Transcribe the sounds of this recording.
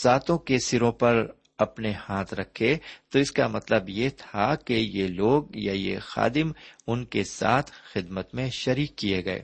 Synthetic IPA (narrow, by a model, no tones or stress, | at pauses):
saːt̪õkesɪɾõpɐɾ | ɐpnehaːt̪ʰɾɐkʰːet̪oɪskamɐt̪ləbjet̪ʰakejeloːɡjajḛxa̰ːd̪ɪmʊnkesa̰ːt̪ʰxɪd̪mət̪mẽʃɐɾiːkːieɡɐḛː